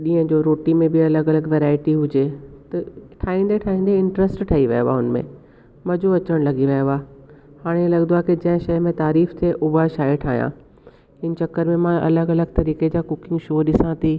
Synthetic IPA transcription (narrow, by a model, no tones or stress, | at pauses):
ɗĩːə̃d͡ʑoːɾoːʈimẽbɪɐləɡɐləɡʋeːɾaːɪʈiɦʊd͡ʑet̪ɐʈʰaːĩːnd̪eʈʰaːɦĩːnd̪eɪ̃ɳʈɾəsʈʈʰaːiʋɐ̰joa̰ɦʊnmḛ̃ | mɐd͡ʑoɐt͡ɕəɽ̃lɐɡiʋɐjoaː | haːɽ̃lɐɡənd̪oakid͡ʑɐ̃ɦɪ̃ʃɐjmẽt̪aːɾiːft̪ʰeʔʊɦaʃaːeʈʰaːɦijã̰ | ɦɪn̆t͡ɕɐkəɾmẽmãʔɐ̰ləɡɐləɡt̪ɐɾiːked͡ʑaːkʊkɪ̃ŋɡʃoːɗɪsãt̪ʰiː